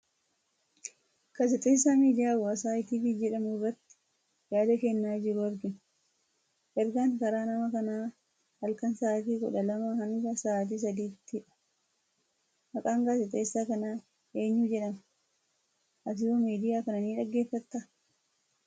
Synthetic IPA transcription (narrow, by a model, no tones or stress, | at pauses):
kas̬ɛt̪ʼeːsːaːmiːd̪ɪjaːbɔɐsaːɪt̪iːfid͡ʒɛᶑɐmʊrːɐt̪ːɪ̥ | jaːd̪ɐkɛnːaːd͡ʒɪɾʊɐɾɡɪn | ʔɛɾɡaŋkɐɾaːnɐmɐkɐnaː | hɐlkɐnsaːt̪̬iːkʊ̰ᶑɐlɐmɐhɐŋɡɐsaːt̪̬iːs̬ɐd̪iːt̪ːɪᶑɐ̥ | mɐkʼaːŋɡasɛt̪ʼeːsːaːkɐnaː | ʔe̞ːɲːuːd͡ʒɛᶑɐmɐ | ʔɐt̪̬ɪomiːd̪ɪjaːkɐnɐniːᶑɐɡːe̞ːfːɐt̪ːɐ